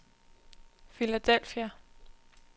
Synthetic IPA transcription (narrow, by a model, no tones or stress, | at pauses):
filæd̥el̰fiæ